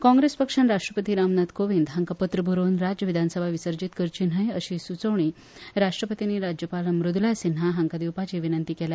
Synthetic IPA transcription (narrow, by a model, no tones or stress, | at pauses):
kɔ̃ŋɡɾespəkʂanɾaʂʈɾəpət̪iːɾamnat̪koʋind̪ɦaŋkapət̪ɾəbʱuɾonɾad͡ʑəʋid̪ʱansəbʱaʋisəɾd͡ʑiːt̪kəɾt͡ɕinɦəjəɕiːsut͡səʋɳiː | ɾaʂʈɾəpət̪iniːɾad͡ʑjəpaləmɾud̪ʱlasinɦaɦaŋkad̪iwpat͡ɕiʋinənt̪iːkela